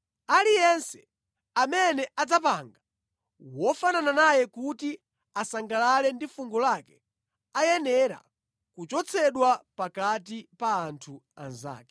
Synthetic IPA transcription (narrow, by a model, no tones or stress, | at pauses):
alijɛnsɛ̥ | amɛnɛad͡zapaŋɡa | wɔfanananajɛkuti | asaŋɡalalɛndifuŋɡɔlakɛ̥ | ajɛnɛɾa̰ | kut͡ʃɔt͡sʰɛɗwapakatipaːntʰuanza̰ːkɛ̥